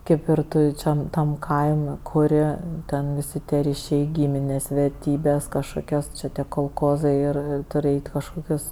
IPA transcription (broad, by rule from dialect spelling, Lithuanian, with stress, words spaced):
ˈkɐɪp ɪr ˈtʊ ˈt͡ʃʲɛ tɐm ˈkɐɪmʲ kʊˈrʲɪ ˈtʲɛn ʋʲɪˈsʲɪ tʲiɛ rʲiːˈʃʲɛɪ ˈɡʲiːmʲɪnʲeːs ʋʲɛrʲˈtʲiːbʲeːs kɐʃˈkoːkʲoːs ˈt͡ʃʲɛ tʲiɛ koːlˠˈkoːzɐɪ ɪr ˈtʊrʲɪ ˈɛɪtʲ ɪ kɐʃˈkoːkʲʊs